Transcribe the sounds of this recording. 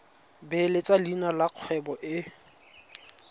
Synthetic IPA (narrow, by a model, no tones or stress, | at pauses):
belet͡sʼalinalaq͡χʰwɛbɔʔɪ